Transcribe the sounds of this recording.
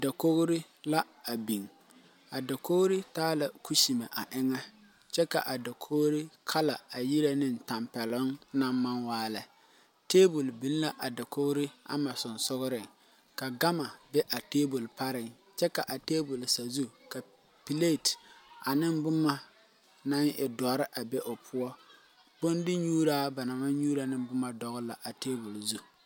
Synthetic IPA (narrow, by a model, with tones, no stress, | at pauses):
da˨ko˦ɣʊ˦ɾɪ˦ | la˦ | a˨bi˨ŋ | a˨da˨ko˦ɣɾɪ˦taː˦la˨ku˦ʃi˨ma˨ʔa˨ʔɪ˦ŋa˦ | t͡ʃɛ˦ka̰˨ʔa˨da˨kʰo˦ɣɾɪ˦kʰa˦la˨a˨ji˦ɾa˦nɪ˦n̩˨ta˨mpɛ˨lʊ˦ŋna˦mːa˦nwaː˦la˨ | teː˦bʊ˨lbi˦n˦la˦ʔa˨da˨ko˦ɣʊ˦ɾɪ˦a̰˦ma˨sʊ˨nsʊ˦ɣʊ˦ɾɪ˨ŋ | ka˨ɡa˦ma˨bɛ˦ʔa˨te˦bu˨lpa˦ɾɪ˨ŋ | t͡ʃɛ˦ka˨ʔa˨teː˦bʊ˨lsa˨zu˦ka˨ | pi˨le˦˨ta˨nɪ˦mbʊ˦ma˦ | na˦ŋɪ˨dɔ˨˦ɾɪ˦ʔa˨bɛ˦ʔo˨pʰʊ˦ɔ˦ | bo˦ndɪ˦ɲuː˦ɾaː˦ba˨na˨ma˦ɲuː˦ɾa˨nɪ˦bʊ˦ma˨dɔ˨ɣʊ˦la˨ʔa˨teː˦bu˨lzu˦